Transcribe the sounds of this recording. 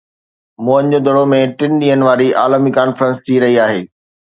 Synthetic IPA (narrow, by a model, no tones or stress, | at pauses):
moə̃ɲd͡ʑoːd̪ʱɐɽomẽʈɪnɗĩːɦənɪ̆ʋaːɾiaːləmikaːnfɾə̃nst̪ʰiɾɐɦiaːɦeː